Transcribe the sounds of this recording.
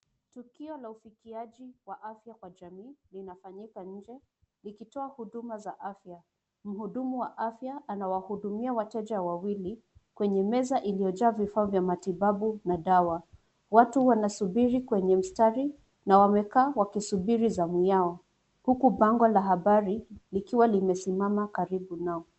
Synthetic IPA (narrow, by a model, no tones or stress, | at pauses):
tukiɔlaufikiaʄiwaʔafjakwaʄamiːlinafaɲikaɲ̩d͡ʒɛ | likitɔahuɗumazaʔafja | m̩huɗumuwaʔafjaːnawahuɗumiawatɛʄawawili | kwɛɲɛmɛzaʔilijɔd͡ʒaːvifaːvjamatibaɓunaɗawa | watuwanasubiɾikwɛɲɛm̩staɾi | nawamɛkaːwakisubiɾizamujaɔ | hukubaŋɡɔlaɦaɓaɾilikiwalimɛsimamakaɾibunaɔ